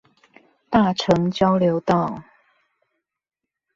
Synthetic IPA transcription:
t̪a˥˨ʈ͡ʂʰɤ˨˦ŋt͡ɕjɑ˥˦ʊljo˨˧˦ʊt̪ɑ˥˨ʊ

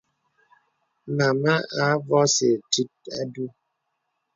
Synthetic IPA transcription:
ma˨ma˦a˨˦vɔ˦se˨ti˦t̚a̰˦du˦

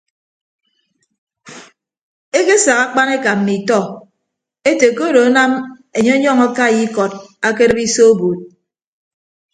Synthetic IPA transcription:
e˦ke˦sa˨ka˦k͡pa˦ne˦ka˨m̩˨mi˨tɔ˦˨ | e˦te˨ko˦ɾo˨a˦na˦me˨ɲe˦ɲɔ˦˨ŋa˦ka˦˨ji˦kɔ˨d̚a˦ke˦ɾɨ˦pi˦so˦o˦bo˨t̚

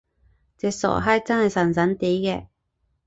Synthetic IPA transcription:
t͡sɛ˨˧sɔ̰˨˩ɦaː˥t͡sɐ˥nhɐ˨jsɐ˨˩nsɐ˨˥nt̪iː˨˥jkɛː˧

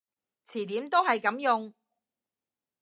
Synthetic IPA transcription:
t͡sʰiː˨˩t̪iː˨˥mt̪o˥whɐ˨jkɐ˨˥mjʊ˨˧ŋ

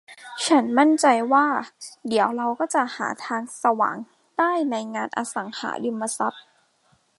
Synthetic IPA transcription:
t͡ɕʰa˦˥nma˥˩nt͡ɕa˧jwaː˥˩di˩˦əwɾa˧wkɔː˥˩t͡ɕa˨˩ha̰ː˩˦t̪ʰaː˧ŋsa˧wa̰ː˩˦ŋ | daː˥˩jna˧jŋaː˧nʔa̰˧sa̰˩˦ŋha̰ː˩˦dɯ˧mːa˧sa˦˥p̪̚

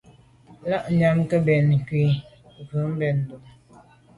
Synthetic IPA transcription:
la˦ʔɲa˦mkə˦bɛ˨n˨ki˨ | və˨˦m˦bɛ˨n˨du˨m

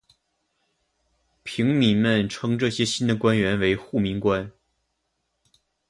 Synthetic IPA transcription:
pʰi˧˥ŋmi˨˩mə˥˧nʈ͡ʂʰɤ˥ŋʈ͡ʂɤ˥˩ɕjɛ˥ɕi˥nd̪ə˨kwa˥nɥɛ˧˥nwe˧˥ɪxu˥˩mi˧˥ŋkwa˥n

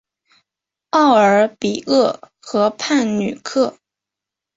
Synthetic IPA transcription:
ɑ˥˩ʊə˞˨˧˥pi˨˩ɤ˥˩ | xɤ˧˥pʰa˥˩nny˨˩kʰɤ˥˩

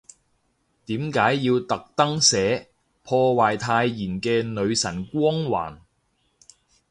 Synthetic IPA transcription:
t̪iː˨˥mkaː˨˥jːiː˧wt̪ɐ˨k̚t̪ɐ˥ŋsɛː˨˥ | pʰɔː˧waː˨jt̪ʰaː˧jːiː˨˩nkɛː˧nɵ˨˧ɥsɐ˨˩nkʷɔː˥ŋwa̰ː˨˩n

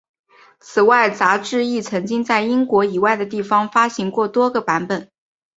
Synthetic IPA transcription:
t͡sʰɹ̩˨˩wa˥˩ɪt͡sa˧˥ʈ͡ʂɻ̩˥˧i˥˩t͡sʰɤ˧˥ŋt͡ɕi˥ŋt͡sa˥˩ɪi˥ŋkwɔ˧˥i˨˩wa˥˩ɪd̪ə˩t̪i˥˩fɑ˥ŋfa˥ɕi˧˥ŋkwɔ˥˩t̪wɔ˥ɡə˨pa˧˥npə˨˩˦n

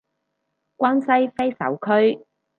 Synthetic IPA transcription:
kʷaː˥nsɐ˥jfe˥jsɐ̰˨˥wkʰɵ˥ɥ

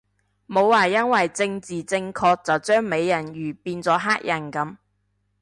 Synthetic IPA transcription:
mo˨˧wːaː˨˩jɐ˥nwɐ˨jt͡sɪ˧ŋt͡siː˨˩t͡sɪ˧ŋkʰɔː˧k̚t͡sɐ˨wt͡ʃœː˥ŋme˨˧jːɐ˨˩njyː˨˩piː˧nt͡sɔː˨˥ɦaː˥k̚jʔɐ˨˩nkɐ˨˥m

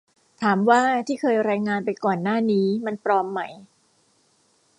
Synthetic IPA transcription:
t̪ʰaː˩˦mwaː˥˩t̪ʰiː˥˩kʰɤː˧jɾaː˧jŋaː˧npa˧jkɔː˨˩nːaː˥˩niː˦˥ma˧npɾɔː˧mːa˦˥j

